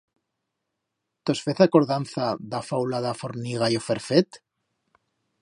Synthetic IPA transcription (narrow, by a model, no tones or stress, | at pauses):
t̪o̞sfeθako̞ɾðanθaðafawlaðafoɾniɣ̞ajofeɾfet̪